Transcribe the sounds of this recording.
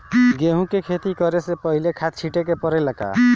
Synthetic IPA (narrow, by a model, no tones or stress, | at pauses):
ɡeɦũkekʰet̪ikəɾesepəɦilekʰat̪̚t͡ʃʰiʈekepəɾɛlaka̰